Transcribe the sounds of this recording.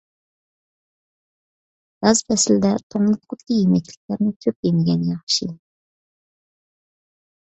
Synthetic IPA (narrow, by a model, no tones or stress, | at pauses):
ɡ̥ɑzpʰɛsɪld̪ɛt̪ʰoŋlˠɨt̪̚qʰʊt̪kʲʰijimɛkʲlɪ̥kʲlæɾnɪkʲʰøp̚jemɪɡʲɛnjɑχʃi